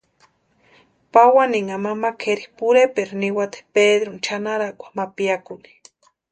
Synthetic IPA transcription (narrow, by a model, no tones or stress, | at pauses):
pawaniŋamamakʰeɾipuɾepeɾniwat̪e̥ped̪ɾunt͡ʃanaɾakʷḁmapiakuni̥